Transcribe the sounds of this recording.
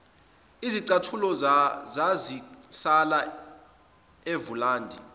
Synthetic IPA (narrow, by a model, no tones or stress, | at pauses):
iziǀatʰulɔzazisala | evulaːndʱḭ